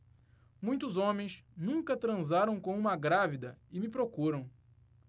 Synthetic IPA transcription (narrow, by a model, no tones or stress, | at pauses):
mũj̃t̪ʊzõmẽj̃snũŋkɐt̪ɾɐ̃zaɾɐ̃w̃kõũmɐɡɾavid̪ɐɪmɪpɾokuɾɐ̃w̃